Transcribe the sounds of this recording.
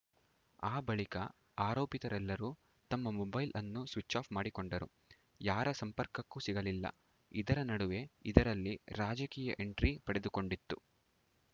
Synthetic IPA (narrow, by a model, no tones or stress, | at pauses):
aːbɐɭikɐ̰ | aːɾoːpit̪ɐɾɛlːɐɾuː | t̪ɐmːɐmɔbɐjlʔɐnːusʋit͡ʃːaːpmaːɽiko̞ɳɖɐɾṵ | jaːɾɐsɐmpɐɾkɐkːusiɡɐlilːɐ̰ | id̪ɐɾɐnɐɽuʋe̞id̪ɐɾɐlːiɾaːd͡ʒɐkiːjɐ̰ʔe̞ɳʈɾipɐɽe̞d̪uko̞ɳɖit̪ːu